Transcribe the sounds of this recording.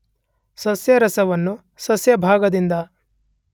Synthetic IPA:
sɐsjɐɾɐsɐʋɐnːu | sɐsjɐbʱaːɡɐd̪ind̪ɐ

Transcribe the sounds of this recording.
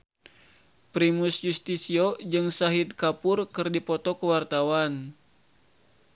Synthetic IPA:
pɾimusjust̪isiod͡ʒɨŋsaɦit̪̚kapʊrkɨrdipɔt̪ɔkəwart̪awan

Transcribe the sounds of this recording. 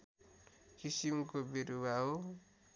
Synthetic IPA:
kisimkobiɾubʱaɦo

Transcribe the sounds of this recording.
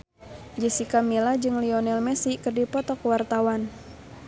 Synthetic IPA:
d͡ʒəsikamilad͡ʒɨŋliɔnɛlmɛsikɨrdipɔt̪ɔkwart̪awan

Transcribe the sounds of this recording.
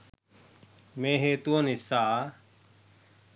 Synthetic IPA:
mẽːɦeːt̪uənɪsːaː

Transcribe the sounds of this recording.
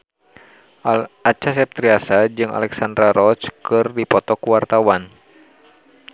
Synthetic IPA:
at͡ʃas̬ɛp̚t̪ɾiasad͡ʒɨŋa̰lɛksand̪ɾaɾɔt͡ʃkɨrdipɔt̪ɔkuwart̪awan

